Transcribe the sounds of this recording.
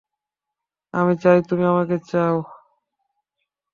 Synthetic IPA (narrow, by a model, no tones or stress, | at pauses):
a̰mit͡ɕajt̪umiamaket͡ɕao